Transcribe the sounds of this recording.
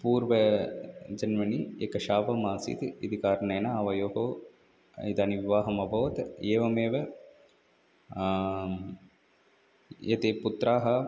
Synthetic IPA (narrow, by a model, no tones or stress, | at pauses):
puːɾʋɐ | d͡ʒɐnʋɐniekɐʃaːʋɐmaːsḭt̪id̪ikaːɾɳeːnɐɐːʋɐjoːɦo̰ː | id̪aːniʋiʋaːɦɐmɐbʱɐʋt̪eːʋɐmeːʋɐ | jɐt̪eːput̪ɾaːɦɐ